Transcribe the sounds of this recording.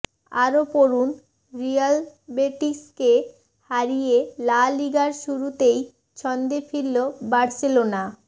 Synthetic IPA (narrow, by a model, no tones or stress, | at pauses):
aɾopoɾun | ɾijalbeʈiske | haɾijelaliɡaɾʃuɾut̪ej | t͡ɕʰɔnd̪efilːobaɾselona